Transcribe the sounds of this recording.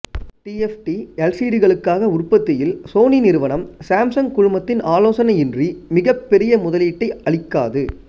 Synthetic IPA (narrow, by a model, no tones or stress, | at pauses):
ʈiɛfʈiɛlsiːɽɪɣɐɭɯkːaːɣɐʊrpɐt̪ːɪjɪlsoːninɪɾɯʋɐnɐmsaːmsɐŋkʊɻʊmɐt̪ːɪnaːloːsɐnɐjɪndrimɪɣɐpːɛɾɪjɐmʊðɐliːʈːɐɪɐɭɪkːa̰ːðɯ